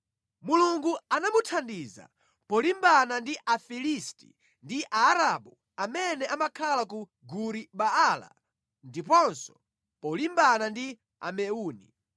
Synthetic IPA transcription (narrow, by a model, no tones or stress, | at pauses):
muluŋɡuanamutʰandiza̰ | pɔlimbanandiʔafilistḭ | ndiʔaːɾaɓu | amɛnɛʔamakʰalaku | ɡuɾiɓaala̰ | ndipɔnsɔ̥ | pɔlimbanandi | a̰mɛuːni